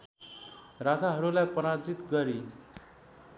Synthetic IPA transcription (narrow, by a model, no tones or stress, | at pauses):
ɾat̪ʰaɦʌɾulajpʌɾad͡zit̪ɡʌɾi